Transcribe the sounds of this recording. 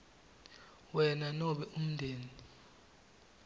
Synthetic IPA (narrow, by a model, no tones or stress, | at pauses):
wɛnanɔɓɛʔum̩ndʱeːni